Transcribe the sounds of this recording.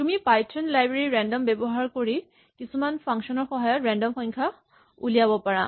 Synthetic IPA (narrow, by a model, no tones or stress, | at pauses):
tumipajtʰɔnlajbɹeɹiɹɛndɔmbɛbɔɦaɹkoɹi | kisumanpʰɔŋksɔnɔɹxɔɦɔjɔtɹɛndɔmpɔɲkʰa | ṵlijabɔpaɹa